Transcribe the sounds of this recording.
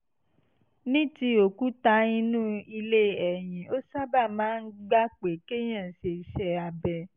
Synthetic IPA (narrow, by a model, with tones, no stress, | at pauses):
nĩ˦ti˧o˨ku˦ta˧ĩ˧nũ˦i˧le˦ɛ˨j̃ĩ˨o˦sa˦ba˦˨mãː˦n̩˦ɡ͡ba˦k͡pe˨ke˦j̃ã˦˨ʃe˨ʃɛ˧a˧bɛ˨˧